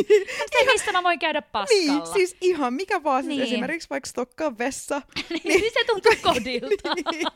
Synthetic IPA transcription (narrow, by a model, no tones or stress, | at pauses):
ut̪emist̪æmæʋoiŋkæyɾæppɑniːlːsiːsiɦɑmmikæʋoɑːsint̪esimerkiksʋɑikst̪okːɑʋʋesːɑnniset̪unt̪ukodilnt̪i